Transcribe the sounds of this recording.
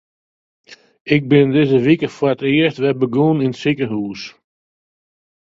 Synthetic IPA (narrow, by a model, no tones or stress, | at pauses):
ɪk̚bɪndɪzəʋikəfʊrətɪəstʋɛbəɡuːnintsikəɦuːs